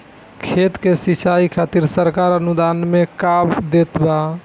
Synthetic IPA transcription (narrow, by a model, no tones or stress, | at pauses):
kʰet̪kesisaikʰat̪iɾsəɾkaɾənud̪anmekapd̪et̪ba